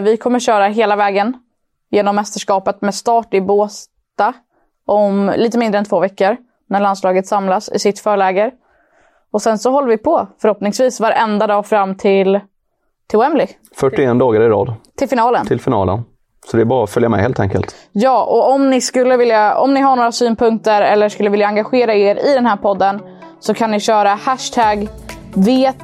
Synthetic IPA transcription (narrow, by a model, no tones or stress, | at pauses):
vɪkʰɔmːəɾɕœːɾaɦeːlavɛːɡən | jeːnɔmːɛst̪əʂkɑːpət̪mɛst̪ɑːʈɪboːs | tt̪a | ʔɔmliːt̪əmɪnd̪ɾəɛnt̪ʰvoːvɛkːəɾ | næɭanslɑːɡət̪samlasɪ̰sɪt̪fœːɭɛːɡəɾ | ɔsɛnsɔɦɔlːəɾvɪpʰɔfœɾhɔpnɪŋsviːsvaɾʔɛnd̪ad̪ɑːfɾamːt̪ʰɪl | t̪ʰɪlʊɛmblɪ | fœʈːɪeːnd̪ɑːɡaɾɪɾɑ̰ːd̪t̪ʰɪlfɪnɑːlənt̪ʰɪlfɪnɑ̰ːlə̰n | sɔd̪ɛæɾbɑːɾafœljamɛ̰hḛːlt̪ʰɛ̰ŋkə̰lt̪jɑːʔɔɔmnɪskɵlːəvɪljaɔ̰mnɪɦaɳoːɾasyːnpʰɵŋkt̪əɾɛlːəʂkɵlːəvɪljaːŋɡaɧeːɾaeːɾɪd̪ɛnhæːɾpʰɔd̪ːən | sɔkʰanːɪɕœːɾahæʂt̪ʰæːɡ | veːt̪